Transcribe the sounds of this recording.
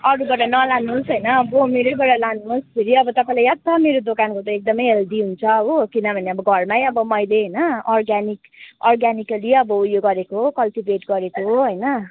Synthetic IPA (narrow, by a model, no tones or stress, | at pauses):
ʌɾubʌʈʌnʌlanusɦʌjnʌːbʌmeɾobʌɽalanuuspʰeɾiʌbʌt̪ʌpãĩlajat̪t͡sʰʌmeɾod̪okankot̪ʌek̚d̪ʌmʌjeld̪iɦunt͡sʰʌːbokinʌbʱʌneʌbʌɡʱʌrmajʌbʌmʌjleɦʌjnʌɔrɡanik | ɔrɡanikʌliʌbʌujoɡʌɾekoɦokʌlʈibeʈɡʌɾekoɦoɦʌjnʌ